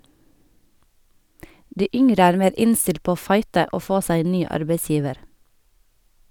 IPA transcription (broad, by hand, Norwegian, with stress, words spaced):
ˈdiː ˈʏŋɾə ˈæːɾ ˈmeːɾ ˈɪnstɪlt ˈpoː ˈoː ˈfɑɪtə ˈʔoː ˈfoː ˈsæɪ ˈeːn ˈnyː ˈɑɾbeɪˌsjiːʋəɾ